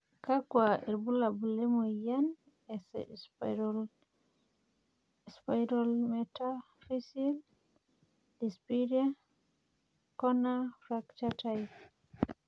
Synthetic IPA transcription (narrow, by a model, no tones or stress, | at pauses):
kakwaɛɾbulabulɛmɔjan | ɛsɛ̰sɾɔl | spajɾɔlmɛta | fisil | dispiɾian | kɔnafɾakt͡ʃataj